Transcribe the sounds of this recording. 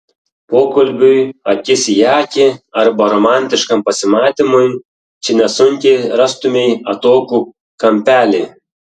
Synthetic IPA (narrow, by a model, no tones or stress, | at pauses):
poːkɐlʲbʲʊjɐkʲɪsʲjɑːkʲɪɐɾbɐɾɔmɑnʲt̪ʲɪʃkɐmpɐsʲɪmɑːt̪ʲimʊj | t͡ʃʲɪnʲɛsʊŋʲkʲɛɪɾɑst̪ʊmʲɛɪjɐt̪oːkuː | kɐmʲpʲæːlʲe